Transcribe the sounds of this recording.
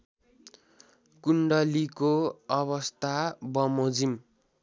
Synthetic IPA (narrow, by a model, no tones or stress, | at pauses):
kuɳɖʌlikoʌβʌst̪abʌmod͡zim